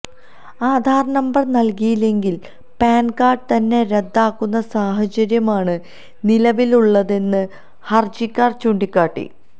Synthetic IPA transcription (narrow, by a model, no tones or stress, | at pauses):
aːd̪ʱaːrɐnɐmbɐrnɐlkijile̞ŋɡil | paːnkaːrɖ̚t̪ɐnːe̞ɾed̪ːaːkːunːɐsaːɦɐt͡ɕɐɾjɐmaːɳɨ | nilɐʋiluɭːɐðe̞nːɨ | hɐrd͡ʑikʲːaːrt͡ɕuːɳɖikːaːʈːḭ